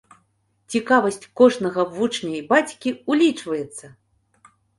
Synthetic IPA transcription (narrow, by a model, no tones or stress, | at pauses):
t͡sʲikavɐsʲt͡sʲkɔʐnɐɣɐvut͡ʂnʲɐjbat͡sʲkʲiulʲit͡ʂvɐjɛt̪sːɐ